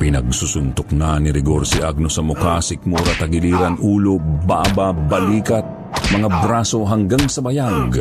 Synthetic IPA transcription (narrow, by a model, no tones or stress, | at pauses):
pɪnɐɡ̚susʊnt̪ʊknanɪɾɪɡoɾsiʔaɡ̚nosɐmʊkasɪk̚moːɾat̪ɐɡɪliːɾanʔuːlobaʔababɐliːkat̪̚ | mɐŋabɾasoɦaŋɡaŋsɐbɐjaɡ